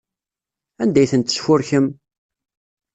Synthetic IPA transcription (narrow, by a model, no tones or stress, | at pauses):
ænd̪æjθənt̪ːə̥sfʊɾçəm